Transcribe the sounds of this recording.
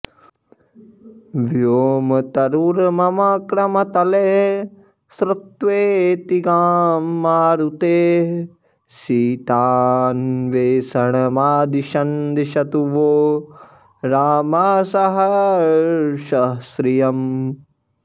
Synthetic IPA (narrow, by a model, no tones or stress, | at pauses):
ʋjoːmɐt̪ɐɾuɾmɐmɐkɾɐmɐt̪ɐle | sɾɐt̪ʋeːt̪iɡaːmːaːɾut̪eː | siːt̪aːnʋeːsɐɳ̃ɐmaːd̪iʃɐnd̪iʃɐt̪uʋoː | ɾaːmɐsɐɦɐ | ʃɐɦsɾijɐm